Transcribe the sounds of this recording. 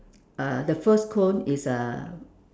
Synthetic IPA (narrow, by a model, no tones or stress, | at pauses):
adəfəskʰõnisa